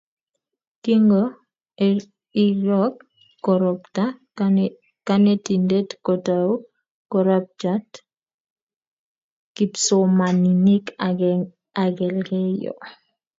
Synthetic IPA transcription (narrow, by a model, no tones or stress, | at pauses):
kiŋɡo | iɾɔkː | ɔɾɔpta | kanetindetkotau | kɔɾap̚d͡ʒat | kipsɔmaninik | aɡɛlɡɛjɔ̰